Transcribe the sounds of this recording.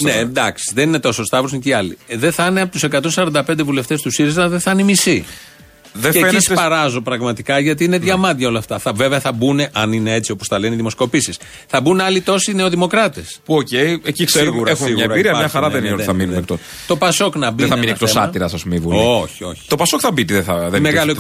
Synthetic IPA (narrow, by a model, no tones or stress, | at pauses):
ned̪ɐksi̥ðe̞nine̞t̪o̞so̞st̪ɐvɾosniciɐliðeθɐneɐpot̪use̞kɐt̪o̞nsɐɾɐnd̪ɐpe̞nd̪evule̞ft̪e̞st̪usiɾizɐðeθɐnimisi | ðeefenispɐɾɐzo̞pɾɐɣmɐt̪ikɐʝɐt̪̬iineðʝɐmɐt̪ʝɐo̞lɐft̪ɐθɐve̞veɐθɐbune̞ʔɐnine̞e̞t͡sio̞posθɐleniðimo̞sko̞pisis | θɐbunɐlit̪o̞sineo̞ðimo̞kɾɐt̪espuocejeciseɣuɾɐexuiɣɲɐeɾɐbiɾiɐɲɐxɐɾɐðenioɐminunek̚t̪o | t̪o̞pɐso̞knɐbieɐminiek̚t̪osɐt̪iɾɐsɐsmivuoçio̞̰çi̥t̪o̞pɐsokθɐbit̪iðeθɐðemeɣɐloe